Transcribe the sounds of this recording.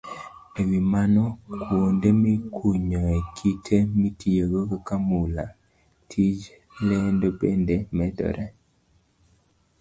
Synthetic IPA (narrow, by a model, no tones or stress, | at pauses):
ewimanɔkwondemikʰuɲɔɛkʰitʰemitieɡokkamula̰ | tʰid͡ʒ | lendobendemɛdɔ̰ɾʔɛ